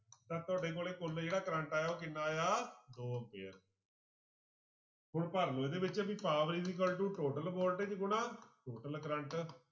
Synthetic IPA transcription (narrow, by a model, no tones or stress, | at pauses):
t̪ãːt̪ʊaːɖeːk̬oːleːkʊld͡ʒeːɽaːkɾə̃ɳʈaːjaːoːk̬ɪnːaːjaːd̪oːəpḛːəɾ | pʊɳpəɾloːed̪eːbɪt͡ʃːpiːpaːʋɾiːd̪iːk̬əlʈuːʈoːʈəlboːɾʈeːd͡ʒɪɡʊnãːʈoːʈəlkɾə̃ɳʈ